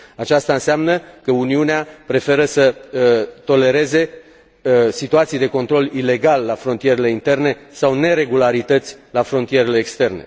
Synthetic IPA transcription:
at͡ʃast̪aɨnseamnəkəuniuneapɾe̞fe̞ɾəsə | t̪o̞le̞ɾe̞ze̞ | sit̪uat̪sijd̪e̞ko̞nt̪ɾo̞lile̞ɡalːafɾo̞nt̪ije̞ɾe̞le̞int̪e̞rne̞sawne̞ɾe̞ɡulaɾit̪ət̪sʲlafɾo̞nt̪ije̞ɾe̞le̞ːkst̪e̞rne̞̰

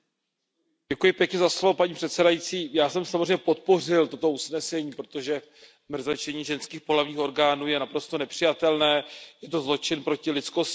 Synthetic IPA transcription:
ɟɛkujɪpjɛkɲɛzaslovopaɲiːpr̥ɛt̪sɛdajit͡siːjaːsɛmsamozrejɲːɛpo̞t̪̚po̞rɪlt̪o̞t̪o̞usnɛsɛɲiːpɾo̞t̪o̞ʒɛ | mr̩zat͡ʃɛɲiːʒɛnskiːxpolavɲiːxo̞ɾɡaːnuːjɛnapɾo̞st̪o̞nɛpr̝̥ɪjat̪ɛlnɛːjɛt̪o̞zlo̞t͡ʃɪnpɾo̞cɪlɪtt͡sko̞s

